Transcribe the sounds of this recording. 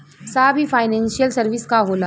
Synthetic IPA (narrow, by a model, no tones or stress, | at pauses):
sabʱiːfajnɛ̃nɕijəlsəɾʋiskaɦola